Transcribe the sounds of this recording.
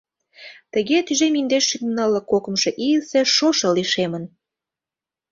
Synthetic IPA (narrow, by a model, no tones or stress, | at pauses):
t̪ə̆ɣet̪yʒemind̪eʃymnɑlə̆kokə̆mʃɤ̆ʔiəlseʃoʃɤ̆liʃemən